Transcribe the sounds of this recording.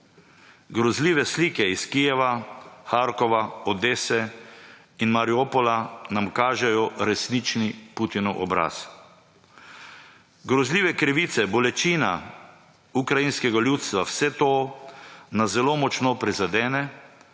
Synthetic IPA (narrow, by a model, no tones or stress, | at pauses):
ɡɾɔzliːʋɛsliːkɛiskijɛʋaxaɾkɔʋaɔd̪eːsɛ | inmaɾiopɔlanamkaːʒɛjɔɾɛsnit͡ʃniput̪inɔʔɔ̰bɾa̰s | ɡɾɔzliːʋɛkɾiʋiːt̪sɛbɔlɛt͡ʃiːna̰ | ukɾajinskɛɡalʲjut̪st̪ʋawsɛt̪oː | nazɛlomɔt͡ʃnɔpɾizad̪ɛːnɛ